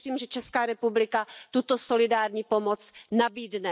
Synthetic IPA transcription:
siːmʒɛt͡ʃɛskaːɾɛpublɪkat̪ut̪osolɪdaːɾɲiːpomot͡snabiːdnɛ

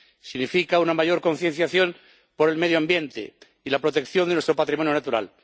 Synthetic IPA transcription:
siɣnifikaunamaʝo̞ɾko̞n̟θjen̟θjaθjo̞n | po̞ɾe̞lme̞ðjoambje̞nt̪ḛ | ilapɾo̞t̪e̞kθjo̞nd̪nwest̪ɾo̞pat̪ɾimo̞njonat̪uɾa̰l

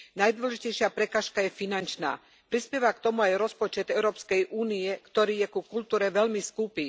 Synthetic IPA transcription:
najd̪ʋɔlɛʒicɛjʃɪapɾɛkaːʃkajɛfinant͡ʃna̰ː | pɾispjɛʋakt̪ɔmuajɾɔspɔt͡ʃɛd̪ɛʊɾɔːpskɛjʔuːniɛkt̪ɔɾiːjɛkukult̪uːɾɛʋɛlmiskupi

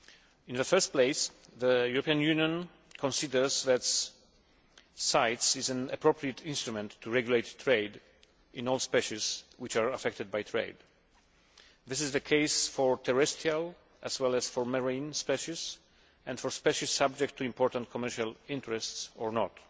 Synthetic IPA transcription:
ɪ̃nðəfɜɹst̚pleɪs | ðəjuɹɔpiãnjunjɔ̃n | kʰɔ̃nsidəɹzðæt | saɪtsɪzæ̃na̰pʰɹopʰɹiɨt̪ʰɪ̃nst̪ɹumɛ̃ntʰːuɹɛɡjuleɪtːʰɹeɪd | ʔɪ̃nɔlˠspɛʃɪzwɪt͡ʃaɹafɛk̚t̪ɨd̪̚bajtʰɹḛɪd̪ | ðɪsɪzðəkʰeɪsfɔɹt̪ʰɛɹɛstʰial | ʔæzwɛlæzfɔɹməɹĩnspɛʃiz | ɛ̃nfɔɹspɛʃisab̚d͡ʒɛk̚tʰːuĩmpʰɔɹt̪ãntkʰɔmɛɹʃalɪ̃ntɹɛstsɔɹnɔt

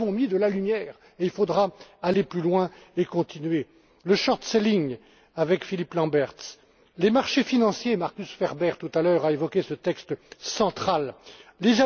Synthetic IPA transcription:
ɔ̃mid̪əlalymjɛːʁ | eilfod̪ʁaaleplylwɛ̃ekɔ̃t̪inɥe | ləʃɔʁt̪seliŋ | avɛkfiliplɑ̃bɛʁt̪s | lemaʁʃefinɑ̃sjemaʁkʲysfɛʁbɛʁt̪ut̪alœʁaevɔkʲesət̪ɛkst̪sɑ̃t̪χalleza

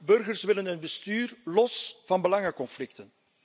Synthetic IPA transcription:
bɵrɣərsʋɪlənənbəstyːrlɔsv̥ɑnbəlɑŋəkɔnflɪktən

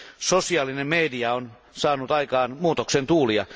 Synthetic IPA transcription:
sosiɑːlinemmediɑon | sɑːnut̪ɑikɑːnmuːt̪oksent̪uːliɑ̰

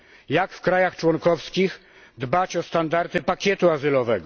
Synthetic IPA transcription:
jakfkɾajaxt͡ʂwɔŋkɔfskʲix | d̪bat͡ɕɔst̪and̪aɾt̪ɘpakʲjɛt̪uazɘlɔvɛɡɔ

